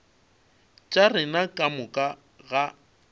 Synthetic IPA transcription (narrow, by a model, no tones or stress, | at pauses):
t͡ʃʼarɪnakʼamʊkʼa | ɣa